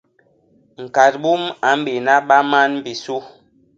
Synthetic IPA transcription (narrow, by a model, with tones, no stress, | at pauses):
ŋ̩˨ka˨t̚bu˦ma˨˦m̩˦be˨na˦ɓa˦ma˦nm̩˦bi˨su˦